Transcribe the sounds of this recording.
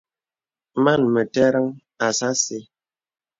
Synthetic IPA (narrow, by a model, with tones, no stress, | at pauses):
ma˦˨nmə˨tɛ˦ɾə˦ŋ | a˨sa˦se˦